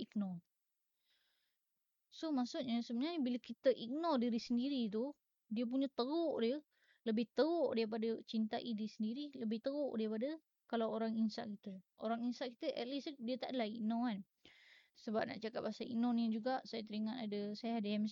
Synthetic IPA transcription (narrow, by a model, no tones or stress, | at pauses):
ik̚nɔr | somasuʔ̪̚ɲəsəbənaɲbiləkit̪əʔik̚nɔrdiɾisəndiɾit̪̬u | diəp̬uɲət̪əɣʊʔdiə | ləbɪht̪əoʔdaɾip̬adət͡ʃint̪aʔidisəndiɾiləbɪht̪əɣʊʔdaɾipadə | kalawoɾaŋinsa̰ʔkit̪əʔoɾaŋinsaʔkit̪əʔɛt̪lisdiət̪aʔdəlaik̚nɔan | səbap̚na̰ʔt͡ʃakap̚asaḭknɔnid͡ʒuɡaʔsajat̪əɾiŋanadəsajaadəam